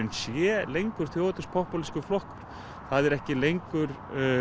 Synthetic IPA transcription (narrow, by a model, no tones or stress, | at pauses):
nsjɛːlejŋkʏɾ̥θjowt̪ʏspʰɔhpɔliskʏflɔhkʏɾ̥ | θaðɛɾɛhcɪlejŋkʏɾ